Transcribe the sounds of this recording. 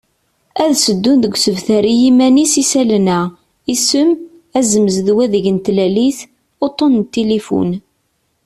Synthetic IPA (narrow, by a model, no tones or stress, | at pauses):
æðsəd̪ːund̪əɡʷsəvθæɾijimænisisælnæ | isəm | æzəməzðwæðəʝənt̪læliθ | ot̪ˤːont̪ːelefṵn